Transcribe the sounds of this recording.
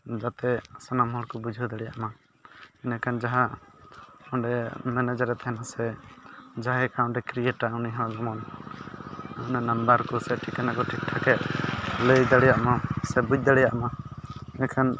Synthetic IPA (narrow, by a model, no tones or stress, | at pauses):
d͡ʒat̪ɛsanamɦɔlkɔbud͡ʒʱud̪aɽɛjaʔma | ɛnakʰand͡ʒaɦa | ɔɖɛmɛnad͡ʒaɾɛt̪hɛnasɛ | d͡ʒaɦaɛkaɔ̃ɳɖɛkɾijɛʈauniɦãd͡ʒmɔn | nanambaɾkɔsɛʈʰikanakɔʈʰik̚ʈʰakɛʔləjd̪aɽɛjaʔmasɛbud͡ʒ̚d̪aɽɛjaʔmanɛkʰan